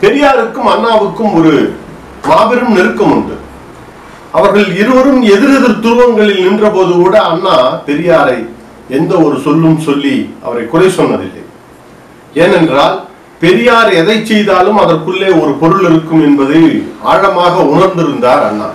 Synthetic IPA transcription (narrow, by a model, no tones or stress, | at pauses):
pɛɾɪjaːɾɯkːɯmɐnːaːʋɯkːɯmɔɾɯ | maːbɪɾɯmnɛɾɯkːɐmʊɳɖɯ̰ | ɐʋɐɾɣɐɭɪɾɯʋɐɾɯmɛðɪɾɐðɯɾt̪ʊɾɯʋɐŋɡɐɭɪlnɪndrɐpoːðɯkuːɽɐːnːaːpɛɾɪjaːɾɐɪ | ɛnd̪ɐɔɾɯsɔlːɯmsɔlːiʔɐ̰ʋɐɾɐɪkːʊrɐɪsɔnːɐðɪ̰lːɐ̰ɪ | eːnɛndraːl | pɛɾɪjaːɾɛðɐɪt͡ʃːɛjðaːlɯmɐðɐrkɯɭːeːɔɾɯpɔɾɯɭɪɾɯkːɯmɛnbɐðɐɪa̰ːɻɐmaːɣɐʊɳɐɾnd̪ɪɾɯnd̪aːɾɐ̰nːa̰ː